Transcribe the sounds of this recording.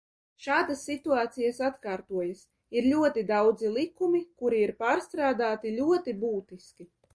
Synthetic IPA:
ʃaːd̪asːit̪uaːt̪sijasat̪kaːɾt̪uɔjas | iɾlʲuɔt̪id̪awd̪zilˠikumikuɾiiɾpaːɾst̪ɾaːd̪aːt̪ilʲuɔt̪ibuːt̪iskʲi

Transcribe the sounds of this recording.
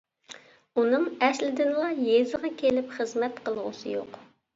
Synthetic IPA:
unɨŋɛslɪd̪ɪnlˠɑjezɨʁɑkʲʰelɪpχəzmɛt̪qəlˠʁʊ̰sɨ̰jo̰q

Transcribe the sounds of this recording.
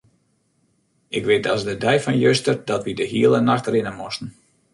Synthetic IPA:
ɪkʋɪtɔsdədɛjfɔnjøstərdɔtʋidəɦiəlˠənaxtrɪnəmɔstn̩

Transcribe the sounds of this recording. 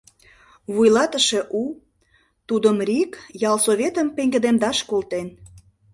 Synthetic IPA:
βujlɑt̪əʃe̽ʔu | t̪ud̪əmrʲikjɑlˠsoβʲet̪əmpeŋɡĕd̪end̪ɑʃkolt̪en

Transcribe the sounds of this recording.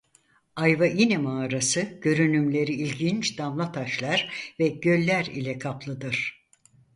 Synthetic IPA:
ajvajinɛmaːɾasɯɟ̥ø̞ɾynymlʲe̞ɾiːlʲɡint͡ʃd̪amlˠat̪ʰaʃlˠaɾvɛɟø̞lʲːæɾḭlʲɛkʰaplˠɯd̪ɯɾ̥

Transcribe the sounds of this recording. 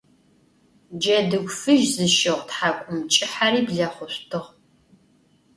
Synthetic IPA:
d͡ʒɐdɨɡʷfɨʒzɨʃɪʁʷtħakʷʼʊmt͡ʃʼɪħariːbɮɐχʷʊɕʷtʰɨʁ

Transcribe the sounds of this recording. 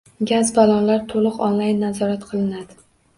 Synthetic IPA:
ɡʲazbalˠɒnlaɾt̪ʰolˠɨqɒnlajnːazɒɾat̪qʰɨlˠɪnad̪ɪ

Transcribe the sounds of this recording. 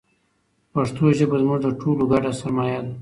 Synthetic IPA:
paʂt̪oʒəbazmʊʐd̪əʈoloɡaɖasaɾmajad̪

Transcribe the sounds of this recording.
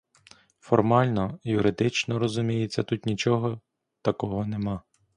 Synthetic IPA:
fɔrmɑlʲnɔjʊɾɪd̪ɪt͡ʃnɔɾɔzʊmʲijet͡sʲːɐt̪ut̪nʲit͡ʃɔɦɔ | t̪ɐkɔɦɔnemɑ

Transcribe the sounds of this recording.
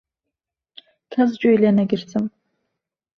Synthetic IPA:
kʲʰɐzt͡ʃʼojlɐnɐɡʲɪrt͡sʰʼɨm

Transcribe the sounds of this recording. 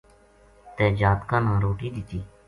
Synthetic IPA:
t̪eːd͡ʒaːt̪kãːnãːɾoːʈiːd̪ɪt̪iː

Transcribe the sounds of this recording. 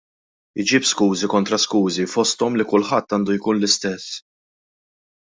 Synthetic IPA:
ɪd͡ʒipskuːzikɔnt̪ɾɐskuːzifɔst̪ɔmlikʊlħɐt̪ːɐːnd̪ujkuːnlɪst̪ɛsː

